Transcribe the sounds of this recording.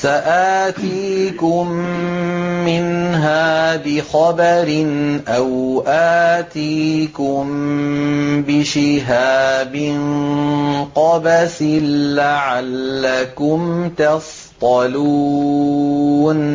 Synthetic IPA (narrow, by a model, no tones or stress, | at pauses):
saʔaːt̪iːkʊmː | ɪnɦaːbɪxɑbaɾɪnʔawʔaːt̪iːkʊm | bɪʃɪɦaːbɪn | qɑbasɪlaʕalːakʊmt̪ɑf | t̪ˤɑluː | n